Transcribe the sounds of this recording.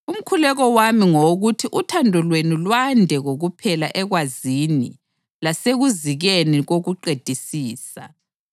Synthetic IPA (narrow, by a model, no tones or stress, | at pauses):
um̩kʰulɛɣɔwamiŋoɣutʰiʔutʰandʱɔlwenulwandʱɛɣoɣupʰɛlaʔɛɣwazinḭ | laseɣuziɣeniɣoɣuǃed̥ʱisiːsa̰